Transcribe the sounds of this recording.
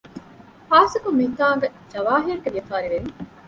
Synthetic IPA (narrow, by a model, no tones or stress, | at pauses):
haːsɐkumːiit̪aːɡɐd͡ʒɐʋaːɦiɐɾɡelijɐfaːɾiʋeʋi